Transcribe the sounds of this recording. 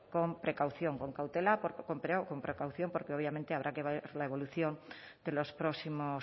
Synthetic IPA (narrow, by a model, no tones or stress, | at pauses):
ko̞mpɾekawθjoŋko̞ŋkawt̪elapoɾkompɾeko̞mpɾekawθjo̞mpoɾkeo̞β̞jament̪eaβ̞ɾʔakeβaeɾlaeβ̞o̞luθjo̞n | d̪̥e̞lo̞spɾosimo